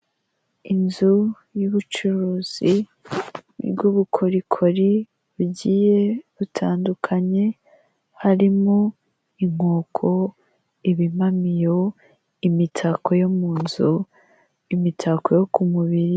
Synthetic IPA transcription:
inzu | juβut͡ʃuɾuːz̥i | ɾɡuβukʰoɾikʰo̞ɾi | βuɟiːje̞βutʰaːndukʰaɲe̞ | haɾimo | iŋ̥oːkʰo̞ | iβimamijo̞ | imitʰako̞jomuːnzu | imitʰakojokumuβiɾi

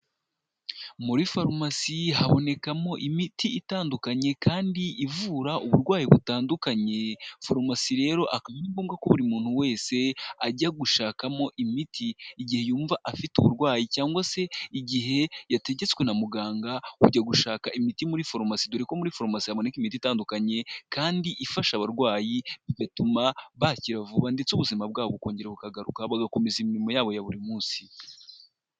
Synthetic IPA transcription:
muɾifaɾmasiɦaβo̞ne̞kamo̞ʔimitʰiitaːndukaɲe̞kaːndiʔivuːɾauβuɾɡwaːjiβutaːndukaɲe̞foɾmasiɾe̞ːɾo̞ʔakamiːmbuːŋɡakoβuɾimuːn̥huwe̞ːse̞aɟaɡuʃaːkamo̞ʔimitʰiːɟihe̞juːɱvaʔafituβuɾɡwaːjicaːŋɡwase̞iɟiɦe̞jate̞ɟe̞t͡skwe̞namuɡaːŋɡauɟaɡuʃaːkaʔimitimuɾifo̞ɾmasiduɾeko̞muɾifo̞ɾmasihaβo̞ne̞kimititaːndukaɲe̞kaːndiʔifaʃaβaɾɡwaːjiβidatumaβaciɾavuβande̞t͡suβuzimab̚ɡaːβouko̞ːɲɟe̞ɾeβukaɡaɾukaβaɡako̞me̞zimiɾimo̞jaːβo̞jaβuɾimuːnsi̥

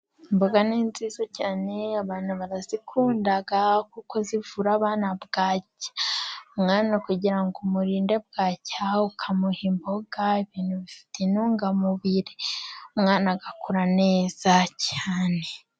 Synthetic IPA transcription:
mboɡaniːnziːzocaːne̞aβaːn̥uβaɾazikʰuːndaɡakuko̞zivuɾaːβaːnabɡaːcḁmŋaːnakuɟiɾaŋɡumuɾiːnde̞b̚ɡaːcaukʰamuhimbo̞ɡ̥aiβiːnhuβifi̥tenuːŋɡamuβiɾemŋaːnaɡakuɾane̞ːz̥acʰaːne̞

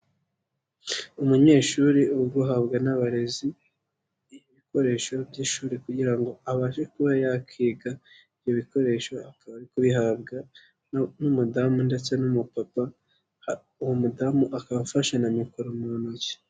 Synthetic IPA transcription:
umuɲe̞ːʃuɾiuɡuɦabɡanaβaɾe̞ziː | joβiko̞ɾe̞ːʃo̞bɟiʃuːɾikuɟiɾaŋɡo̞aβaːʃekuβajakʰiːɡa | ijoβiko̞ɾe̞ːʃo̞akaβaɾikoβiɦabɡa | numudamunde̞t͡se̞numupapa | uwomudamuʔakaβafaʃanamikoɾomonoce̥

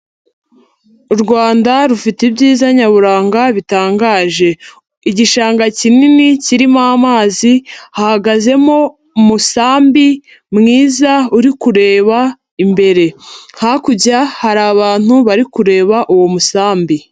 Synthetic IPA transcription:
uɾɡwaːndaɾufitibɟiːzaɲaβuɾaːŋɡaβitaːŋɡaːʒe̞ | iɟiʃaːŋɡacininiciɾimamaːzihahaɡaze̞mo̞ | musaːmbi | mŋiːzauɾikuɾe̞ːβa | imbe̞ɾe̞hakuɟahaɾaβaːn̥huβaɾikuɾe̞ːβaʔuwo̞musaːmbi

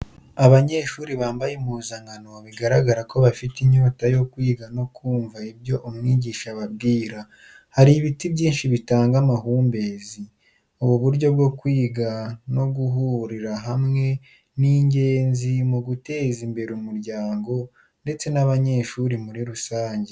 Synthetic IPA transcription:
aβaɲe̞ʃuːɾiβaːmbajemuzaŋɡano̞βiɡaɾaɡaɾako̞βafitiɲoːtajo̞kwiːɡano̞kuːɱvaibjo̞ʔomŋiːɟiːʃaβab̚ɡiːɾa | haɾiβitibɟiːnʃiβitaːŋɡamaɦuːmbe̞zi | oβoβuɾɟo̞b̚ɡo̞kwiːɡano̞ɡuɦuɾiɾaɦamŋe̞ | niːɲɟeːnzimuɡute̞ːzimbe̞ɾumuɾɟaːŋɡo̞ | nde̞t͡se̞naβaɲe̞ːʃuːɾimuɾiɾusaːɲɟe

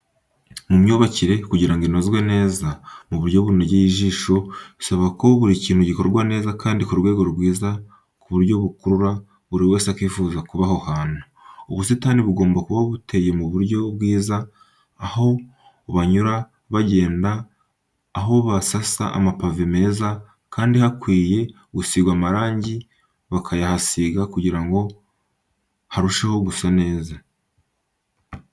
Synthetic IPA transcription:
mumɲoβaciɾe̞kuɟiɾaŋɡinozɡwe̞ne̞ːzamuβuɾɟo̞βuneɟejiʒiːʃo̞isaβako̞βuɾiciːn̥huɟiko̞ɾɡwane̞ːzakaːndikuɾɡwe̞ːɡo̞ɾuɡwiːza | kuβuɾɟo̞βukuɾuɾa | βuɾiwe̞ːsakwiːfuːzakuβaho̞haːnu̥ | uβusitaniβuɡo̞ːmbakuβaβute̞je̞muβuɾɟo̞bɡiːzaː | ho̞ | βaɲuɾa | βaɟe̞ːndaː | ɦo̞βasasa̰a̰mapavime̞ːza | kaːndihakwiːje̞ | ɡusiɡwaːmaɾaːɲɟi | βakʰajahasiɡakuɟiɾaŋɡo̞ | haɾuʃeho̞ɡusane̞ːza

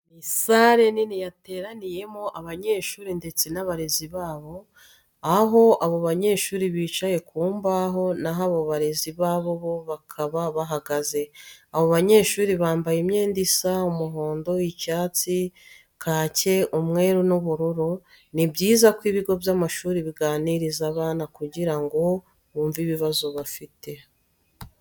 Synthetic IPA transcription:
nisaɾe̞ninijate̞ːɾanije̞moʔaβaɲe̞ːʃuːɾinde̞t͡senaβaɾe̞ziβaːβo̞ | aɦo̞ʔaβo̞βaɲe̞ːʃuːɾiβiːt͡ʃaje̞kuːmbaɦo̞naɦaβoβaɾe̞ziβaːβo̞βo̞βakʰaβaβaɦaɡaze̞aβo̞βaɲe̞ːʃuːɾiβaːmbajimɲe̞ːndisaumuɦo̞ːndo̞icaːt͡si | kʰaːce̞ʔumŋe̞ːɾunuβuɾuɾo | nibɟiːzakwiːβiɡo̞bjamaʃuːɾiβiɡaːniɾizaβaːnakuɟiɾaŋɡo̞ | βuːɱviβiβazoβafite̞

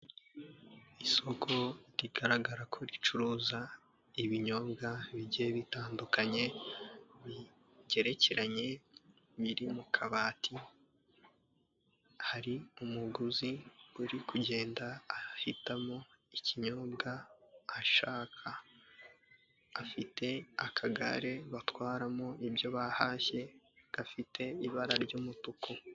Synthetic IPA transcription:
iso̞kʰo̞ɾiɡaɾaɡaɾakʰo̞ɾit͡ʃuɾuːza | iβiɲo̞ːbɡaβiɟeβitaːndukaɲe̞ | βi | ɟe̞ɾe̞ce̞ɾaɲe̞ | βiɾimukʰaβaːtʰi | haɾiumuɡuziuɾikuɟe̞ːndaːhitamo̞iciɲobɡaː | ʃaːkʰa | fite̞akʰaɡa̰ɾe̞βatwaːɾamoibjo̞βahaːçe̞ɡ̥afitʰe̞iβaɾaɾɟuːmutuko

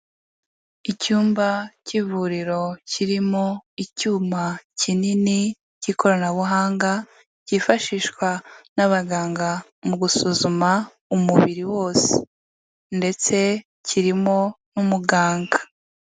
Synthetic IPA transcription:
icuːmbacivuɾiɾo̞ciɾimo̞icuːmacinini | ciːko̞ɾonaβuɦaːŋɡa | cifaʃiːʃkwanaβaɡaːŋɡa | muɡusuzuma | umuβiɾiwo̞ːse̥̰ | nde̞t͡se̞ | ciɾimo̞numuɡaːŋɡa

